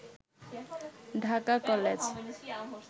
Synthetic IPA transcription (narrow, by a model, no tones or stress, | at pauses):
ɖʱakakɔled͡ʑ